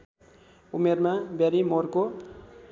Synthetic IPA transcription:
umermabjaɾimorko

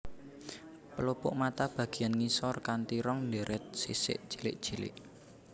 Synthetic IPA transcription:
pəlopʊ̰ʔmat̪ab̥ä̤ɡ̥i̤janŋisɔrkant̪iɾɔŋndeɾʔɛt̪̚sḭsɪ̰ʔd̥ʒ̥i̤̥lɪ̰ʔd̥ʒ̥i̤lɪ̰ʔ

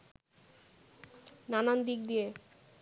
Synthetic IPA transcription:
nanand̪ik̚d̪ije

